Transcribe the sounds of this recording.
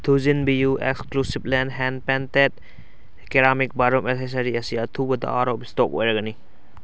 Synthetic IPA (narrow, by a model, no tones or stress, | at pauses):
t̪ʰuzinbijuʔeksklusiblɛnɦɛn̚pɛnt̪et̪ | keɾaːmik̚baɾumeses̬ɐɾiɐsijat̪ʰubɐd̪a̰a̰ɾobist̪oko̰ɾɐɡɐni